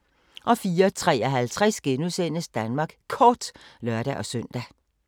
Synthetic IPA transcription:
ʔɒ̽fiːɐt͡sʰʁɛ̰ːɒɦælt͡sʰʁasɡ̥enuðˠsen̰əsd̥ænmɑ̈ːɡ̥kʰɒːd̥lɶɐɾ̥æʔɒ̽søn̰d̥æ

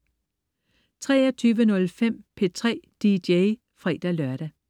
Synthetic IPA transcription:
t͡sʰʁɛ̰ːɐt͡sʰyːʋənɔ̽lfem̰pʰe̝t͡sʰʁɛ̰ːd̥ideɪ | fʁḭːd̥ælɶɐɾ̥æ

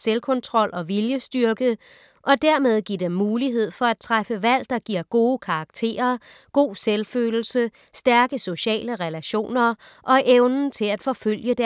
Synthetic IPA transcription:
selkʰɔ̽nt͡sʰʁɒ̽l̰ʔɒ̽ʋiljəsd̥yɐɡ̥əð | ʔɒ̽d̥æɐ̰með̞ˠɡ̥iɐ̰d̥emːuːliɦe̝ð̞̰ˠfɒ̽æd̥̚t͡sʰʁafəʋæl̰d̥ɑ̈ɡ̥iɐ̰ɡ̥o̝ːkʰɑ̈ɑɡ̥t͡sʰe̝̰ːɐ | ɡ̥o̝̰ːselfø̰ːl̩sə | sd̥æɐɡ̥əso̝ɕɛ̰ːləʁɛlæɕo̝̰ːnɐ | ʔɒ̽ʔeʊnn̩t͡sʰe̝læd̥fɒ̽føl̰jəd̥æ

